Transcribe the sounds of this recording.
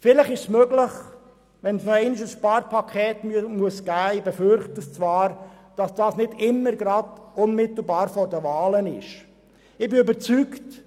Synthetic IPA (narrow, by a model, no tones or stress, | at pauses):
fɪləχɪʃsmœɡlɪχ | ʋɛnsɛɪnɪʃəsʃpɑːɾpʰɑkʰɛːtmuəsɡ̥æːɪbɛfʏɾχtəst͡svɑːɾ | d̥ɑsd̥ɑːsnɪdɪmːəɾɡɾɑdʊnmɪt̪l̩ˠbɑːɾfɔɾdəvɑːlənɪʃ | ɪbɪøbəɾt͡sykt